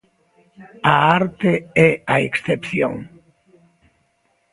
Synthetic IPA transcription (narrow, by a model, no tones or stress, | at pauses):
aaɾt̪eɛaeksθepθjõ̰ŋ